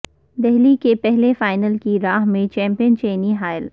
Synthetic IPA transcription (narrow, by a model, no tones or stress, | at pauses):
d̪ɛɦlikepɛɦlefaːɪnəlkiɾaːɦmẽt͡ʃɛ̃ːmpijənt͡ʃeːniɦaːɪl